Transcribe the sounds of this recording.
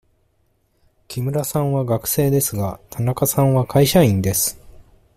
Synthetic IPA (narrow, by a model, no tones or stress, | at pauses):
kʲimɯ̟ɾasãɰ̃βaɡakɯ̟̥se̞ːd̪e̞sɨɡat̪ʰanakasãɰ̃βakʰaiɕaĩnd̪e̞sɨ̥